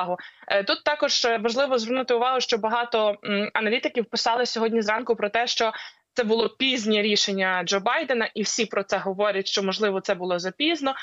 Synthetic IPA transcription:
ɦʊt̪ut̪ːɑkɔʒ̥ʋɐʒlˠɪʋɔzʋernʊt̪ɪʊʋɑɦʊʃt͡ʃɔbɐɦɑt̪ɔɐnɐlʲit̪ɪkʲiwpɪsɑlˠɪsʲɔɦɔdʲnʲizrɑnkʊpɾɔt̪ɛʃt͡ʃɔtsɛbʊlˠɔpʲizʲnʲiɾʲiʃenʲːɐd͡ʒɔbɑjd̪enɐʔiwsʲipɾɔt̪sɛɦɔʋɔɾʲɐtʲʃt͡ʃɔmɔʒlˠɪʋɔt̪sɛbʊlˠɔzɐpʲiznɔ

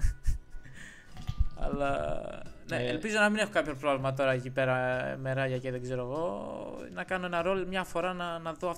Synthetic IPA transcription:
ɐ̰lɐ̰ | neelpizo̞nɐmine̞xo̞kɐpçopɾovlimɐt̪̬o̞ɾɐecipe̞ɾɐme̞ɾɐʝɐceðeɡze̞ɾoɣo̞nɐkɐno̞e̞nɐɾo̞lmɲɐfo̞ɾɐnɐnɐðoɐf

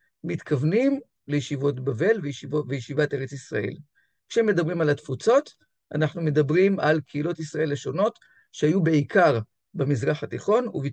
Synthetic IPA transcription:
mit̪kʰavnim | lejeʃivo̞tbave̞lvejvejeʃivate̞ʁet͡sisʁa̰ʔe̞̰l | kʃeemːe̞dabʁimalatfut͡so̞t | a̰naχnume̞dabʁimalkʰeilo̞tisʁae̞leʃo̞no̞t | ʃehajube̞ikʰaʁ | bemizʁaχatiχo̞nṵvi

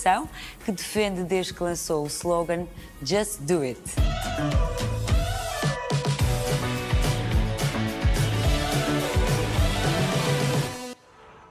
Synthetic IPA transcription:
sɐ̃w̃kɨd̪ɨfẽnd̪ɨd̪eʒd̪kɨlˠɐ̃souslˠoɣɐ̃n | d͡ʒɐst̪d̪uit̪

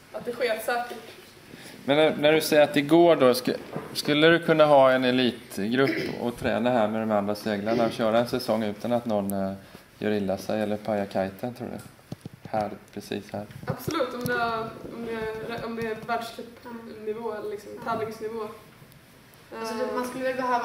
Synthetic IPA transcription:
at̪̚d̪ɛɧeːtsɛːkəʈ | mɛnːnæɖɵsɛjəɾat̪d̪ɛɡoːɖɔskskɵlːədɵkʰɵnːaɦɑːɛnɛliːt̪ɡɾɵpːɔ̰t̪ʰɾɛ̰ːnaɦæːɾmɛd̪ɔmand̪ɾaseːɡlaɳaɔɕœːɾaɛnsɛsɔŋːʉ̟ːt̪ʰanat̪nɔnː | jœ̰ːɾɪlːasɛ̰jɛlːəɾpʰajakʰajt̪ʰant̪ʰɾṵːdɛ̰ | hæːɾpʰɾɛsḭːshæːɾab̥sɔlʉ̟ːt̪ɔmd̪ɛɔmd̪ɛɔmd̪ɛæɾvæɖʂʈ̪ʰyːpnɪvoːɛlːɭlɪksɔmt̪ʰablɪŋsnɪvoː | sɔmanskɵlːəvɛbəɦøːv

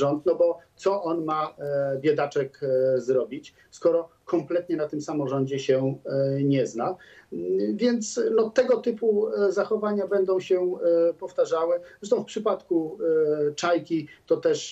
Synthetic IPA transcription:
ɔnt̪nɔbɔt̪sɔʔɔnmabʲjɛd̪at͡ʂɛkzɾɔbʲit͡ɕ | skɔɾɔ | kɔmplɛt̪ɲɛnat̪ɘmsamɔʐɔɲd͡ʑɛɕɛɲɛzna | vʲjɛnt̪snɔt̪ɛɡɔt̪ɘpuzaxɔvaɲabɛnd̪ɔ̃w̃ɕɛpɔft̪aʐawɘzɛʂt̪ɔ̃w̃fpʂɘpat̪ku | t͡ʂajkʲit̪ɔt̪ɛʂ

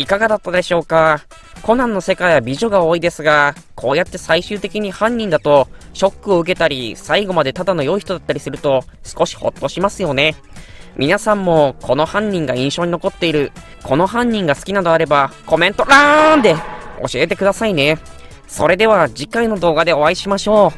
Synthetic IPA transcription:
ikaɡad̪at̪ːad̪e̞ɕo̞ːka | ko̞nãnːo̞se̞kaiβabʲiʑo̞ɡao̞ːid̪e̞sɨɡakʰo̞ːjat̪ːe̞saiɕɨːt̪e̞kʲiɲ̟ihãɲ̟ːĩnd̪at̪o̞ɕo̞kːɯ̟o̞ɯ̟k̬e̞t̪aɾʲisaiɡo̞mad̪e̞t̪ad̪ano̞jo̞içi̥t̪o̞d̪at̪ːaɾʲisɨɾɯ̟t̪o̞sɨ̥ko̞ɕi̥ho̞̰t̪ːo̞ɕimasɨjo̞ne̞ | mʲinasãmːo̞kʰo̞no̞hãɲ̟ːĩŋɡaĩɰ̃ɕo̞ːɲ̟ino̞ko̞t̪ːe̞iɾɯ̟ | kʰo̞no̞ɦãɲ̟ːĩŋɡasɨ̥kʲinad̪o̞aɾe̞bako̞mẽ̞nt̪o̞ɾand̪e̞o̞̰ɕie̞t̪e̞kɯ̟d̪asaine̞ | so̞̰ɾe̞d̪e̞β̞ad͡ʑikaino̞d̪o̞ːɡad̪e̞o̞βaiɕimaɕo̞ː

